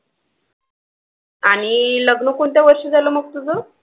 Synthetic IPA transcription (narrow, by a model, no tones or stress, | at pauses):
aɽ̃iləɡnəkoɳt̪jaʋəɾʂid͡zaləməɡ̚t̪ud͡zə